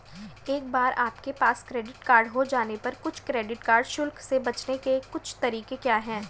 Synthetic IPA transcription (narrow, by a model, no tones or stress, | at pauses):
eːk̚baːɾaːpkepaːskɾeːɖɪʈkaːɾɖɦod͡ʒaːnepɐɾkʊt͡ʃʰkɾeːɖɪʈkaːɾɖʃʊlksebɐt͡ʃnekekʊt͡ʃʰt̪ɐɾiːkekjaːɦɛ̃ː